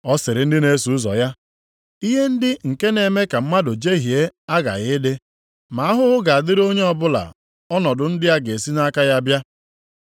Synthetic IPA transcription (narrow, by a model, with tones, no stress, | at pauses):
ɔ˦sɪ˨ɾɪ˨n̩˦dɪ˦ne˨˦su˨ʊ˦zɔ̰˨ja˦ | i˦ɦe˦n̩˦dɪ˦ŋ̩˨ke˦ne˨me˦ka˨m̩˦ma˦dʊ˨d͡ʒe˦ɦi˨e˦a˦ɡa̰˨ɣɪ˦dɪ˦ | ma˨a˦ɦʊ˦ʊ˦ɡa˨a˨dɪ˦ɾo˦ɲe˦ɔ˨bʊ˦la̰˨ | ɔ˦nɔ˨dʊ˨n̩˦dɪ˦ja˦ɡe˨si˦na˦ka˦ja˦bja˦